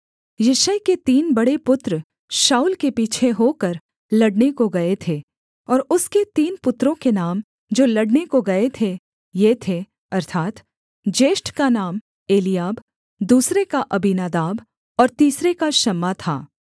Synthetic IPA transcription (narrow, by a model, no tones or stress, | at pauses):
jɐʃəjket̪iːnbɐɽepʊt̪ɾ | ʃaːuːlkepiːt͡ʃʰeɦokɐɾ | lɐɽnekoɡɐet̪ʰeː | ɔːɾʊsket̪iːnpʊt̪ːɾõkenaːm | d͡ʒoːlɐɽnekoɡɐet̪ʰe | jet̪ʰe | ɐɾt̪ʰaːt̪ | d͡ʒeːʃʈkanaːm | eːlijaːb | d̪uːsɾekaʔɐbinaːd̪aːb | ɔːɾt̪iːsɾekaʃɐmːat̪ʰa̰ː